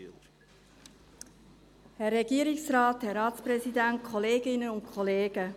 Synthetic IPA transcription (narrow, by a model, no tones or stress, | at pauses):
hɛrːɛɡiːəɾɪksrɑːt̪hɛɾɑːtspɾɛsid̪ænt̚kʰχɔleːɡɪnəʊnkʰɔleːɡ̥ə